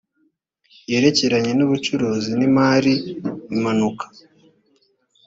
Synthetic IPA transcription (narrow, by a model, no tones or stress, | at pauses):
je̞ɾe̞ce̞ɾaɲe̞nuβut͡ʃuɾuːzinimaːɾiːmanukʰḁ